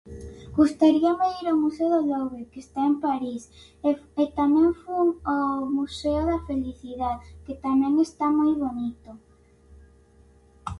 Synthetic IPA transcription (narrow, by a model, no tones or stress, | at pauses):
ɡ̥ust̪aɾiameðiɾomuseoðoloβekest̪aempaɾis | et̪amɛ̃ŋfuomuseoðafeliθiðaðket̪amɛ̃ŋest̪amojβonit̪o